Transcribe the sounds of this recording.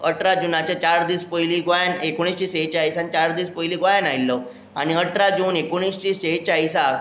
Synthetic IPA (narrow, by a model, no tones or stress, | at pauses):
əʈɾad͡ʑunat͡ɕat͡ɕaɾd̪iːspəjliːɡʋajanekoɳ̃ist͡ɕiːset͡ɕaisant͡ɕaɾd̪iːspəjliːɡʋajanajilːɔ | a̰ñiəʈɾad͡ʑuːnekoɳ̃iːst͡ɕiːset͡ɕaisa